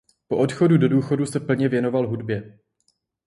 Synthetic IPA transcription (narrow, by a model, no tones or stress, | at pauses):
po̞ʔo̞t̪xo̞dudo̞duːxo̞dusɛpl̩ɲɛvjɛno̞valɦudbjɛ